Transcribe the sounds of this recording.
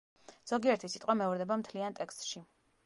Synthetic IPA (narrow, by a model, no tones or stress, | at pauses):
z̥ɔɡiɛɾt̪ʰisit̪ʼqʼwamɛuɾd̪ɛbamt̪ʰliant̪ʼɛkst̪̚ʼʃi